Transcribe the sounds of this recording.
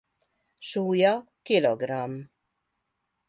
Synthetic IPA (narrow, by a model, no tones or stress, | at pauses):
suːjɑ | kiloɡɾɑm